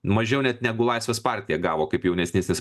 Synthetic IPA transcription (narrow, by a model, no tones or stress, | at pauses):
mɐʒʲɛʊnʲɛt̪nʲæːɡʊlˠɐɪsʲʋʲeːspɑɾʲt̪ʲɪjɛɡɑːʋoːkɐɪpjɛʊnʲɛsnʲeːsʲnʲɪs